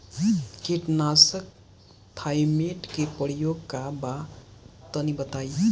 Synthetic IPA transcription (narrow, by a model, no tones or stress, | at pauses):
keʈnasək̚ | t̪ʰajmeʈkepəɾijoɡkabat̪ʌnibʌt̪aj